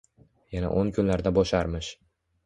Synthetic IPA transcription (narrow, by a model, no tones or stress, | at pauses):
jana̰ʔonkʰʊnlaɾd̪abɒʃaɾmɪʃ